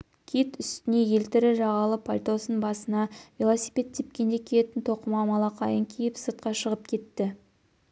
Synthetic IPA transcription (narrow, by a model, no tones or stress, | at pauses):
kʲʰet̪ʏst̪ɪne̞je̞lt̪ɪɾɪʒɑʁɑlˠəpʰolʲt̪o̞sənbɑsənɑvʲilˠosi̥jpʲe̞t̪ːʰep̚kʲe̞nd̪e̞kʲʰelet̪ɪnt̪ʰo̞qəmɑmɑlˠɑqʰɑjəŋkʲʰejɪpsəɾt̪̚qɑʃəʁəp̚kʲʰe̞t̪ːɪ